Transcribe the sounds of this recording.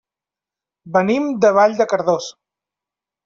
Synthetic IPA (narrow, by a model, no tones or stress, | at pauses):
bənimd̪əβ̞aʎd̪əkəɾðos